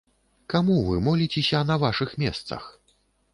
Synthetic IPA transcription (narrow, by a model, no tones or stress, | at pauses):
kamuvɨmɔlʲit͡sʲesʲɐnɐvaʂɨxmʲɛst̪sɐ̰x